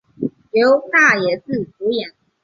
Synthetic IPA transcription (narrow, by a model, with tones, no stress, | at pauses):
ljo˨˦ʊt̪a˥˩jɛ˨˩t͡sɹ̩˥˩t͡su˨˥jɛ˨˩˦ŋ